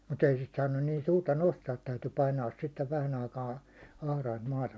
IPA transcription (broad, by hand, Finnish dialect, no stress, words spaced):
mut ei sit sɑːnːun niːn suːrtɑ nostɑːt tæyty pɑinɑːs sitːeʋ ʋæhæn ɑikɑː ɑhrɑint mɑːtɑ